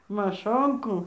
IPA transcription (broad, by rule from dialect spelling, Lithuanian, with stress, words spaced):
mɐˈʃoːŋkuː